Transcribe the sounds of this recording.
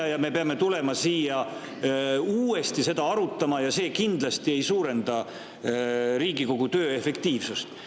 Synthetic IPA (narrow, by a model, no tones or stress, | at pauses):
jɑme̞peɑme̞t̪ule̞mɑsiːjɑ | uːe̞st̪ise̞d̪̥ɑɑɾut̪ːˑɑmɑjɑse̞ːkind̪̥lɑst̪ie̞jsuːɾe̞nd̪̥ɑ | ɾiːɡ̥iko̞ɡ̥ut̪ø̞ːefe̞kt̪iːvsust̪